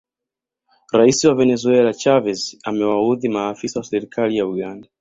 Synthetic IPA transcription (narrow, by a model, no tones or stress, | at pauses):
ɾaisiwavenezuɛlat͡ʃavɛzamɛwauðimaːfisasɛɾikʰaliauɡanda